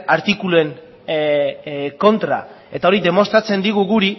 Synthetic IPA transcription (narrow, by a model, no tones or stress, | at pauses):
aɾt̪ikulue̞ŋ | ko̞nt̪ɾa̰ | e̞t̪ao̞ɾiðe̞mo̞st̪ɾat͡se̞nd̪iɣ̞uɣuɾi